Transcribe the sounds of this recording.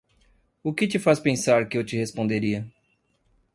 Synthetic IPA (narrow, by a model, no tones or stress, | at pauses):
ʊkɪt͡ʃɪfaspẽsaɾkɪewt͡ʃɪhespõd̪eɾiɐ